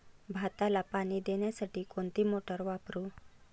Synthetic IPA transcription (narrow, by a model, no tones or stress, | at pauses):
bʱat̪alapaɽid̪eɳjasaʈiːkoɳt̪imoʈəɾʋapɾu